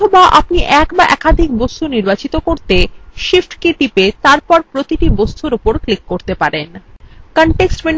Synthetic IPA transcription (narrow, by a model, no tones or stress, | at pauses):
obaʔa̰pniʔɛkbaʔɛkad̪ʱik̚bost̪ʰuniɾbat͡ɕit̪okoɾt̪eʃifʈkiʈipet̪aɾpɔɾpɾot̪iʈibost̪ʰuɾupoɾklikːoɾt̪epaɾenkɔɳʈeksʈmen